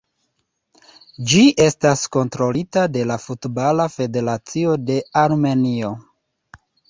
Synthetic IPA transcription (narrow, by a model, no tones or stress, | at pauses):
d͡ʒiʔe̞stasko̞ntɾo̞litade̞lafutbalafe̞de̞ɾat͡sio̞de̞aɾme̞nio̞